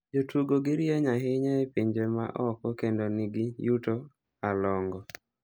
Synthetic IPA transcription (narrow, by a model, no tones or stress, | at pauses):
d͡ʒotuɡoɡɪɾjaɲaɦɪɲaepiɲd͡ʒema̰ʔɔkɔkendonɪɡɪjuto | alɔŋɡɔ